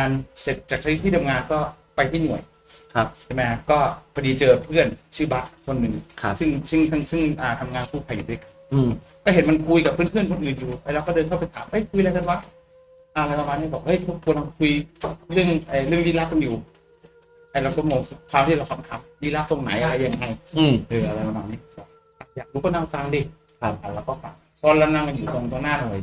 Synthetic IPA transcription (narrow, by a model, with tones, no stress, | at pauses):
aː˧nse˨˩t̪̚t͡ɕaː˨˩k̪̚ʰwi˦˥t̪ʰːiː˥˩t̪ʰa˧mŋaː˧nkɔː˥˩ | pa˧jt̪ʰiː˥˩nu˨˩əj | kʰa˦˧t͡ɕʰe˧˩ma˦˥kʰa˧˥˩kɔː˥˩kʰa˧diː˧t͡ɕɤː˧pʰɯ˥˩ənt͡ɕʰɯː˥˩ba˦˥˩t̪̚kʰo˧nːɯ˨˩ŋkʰsɯ˥˩ŋsɯ˥˩ŋt̪ʰa˥˩ŋsɯ˥˩ŋʔaː˨˩t̪ʰa˧mŋaː˧npʰuː˥˩pʰa˨˧juː˨du˥˩˨ka˧nː˧˩ | kɔː˥˩ɦe˩˦nma˧nkʰu˧jka˨˩pʰːɯː˦˥˨npʰɯ˥˩ənkʰo˧nʔɯː˨˩njuː˨˩pa˧lɛː˦˥wkɔː˥˩dɤː˧nkʰa˥˩pa˧jt̪ʰaː˩˦mː˦˧˥jkʰu˧jlaː˧t̪ʰa˧˥˩wa˧˥˩ | ʔa˧ɾa˧jpa˧maː˧niː˦˥˩bɔː˨˩k̚ha˧˥˩jtʰo˦˥p̚kʰu˧ənha˧kʰu˧jlɯ˥˩əŋʔaː˨˧˩ɾɯ˥˩əŋwiː˧˩la˦˥o˧njuː˨˩ | ʔa˧jlaː˧˩k̪ɔ˧˥˩moː˧ŋ˨˧˩kʰwaː˧mt̪ʰiː˥ɾa˧wkʰa˧˦˩kʰa˧˥m̚diː˧˩la˦˥t̪o˧ŋna̰˩˦jʔa˧ɾa˧jːa˧ŋːa˧jʔɤː˧˩ʔa˧ɾa˧jpa˧maː˧˩nːiː˦˥˧ɔ˧˩ | a˨˩jaː˨˩k̚duː˧˦kɔː˥˩naː˧˩mfaː˧ŋdiː˧˩ | kʰa˧˩a˨˩wlɛː˦˥wkɔː˥˩pa˨˩ | kɔː˧la˧naː˧ŋka˧njuː˨˩t̪ŋ˧t̪ʰo˧naː˥˩nɔː˨˩j